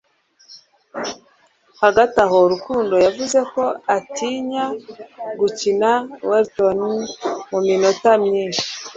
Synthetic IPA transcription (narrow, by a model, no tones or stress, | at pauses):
haɡataɦoɾukuːndo̞javuze̞ko̞atiɲaɡucinaweɾtonimuminotamɲiːnʃi̥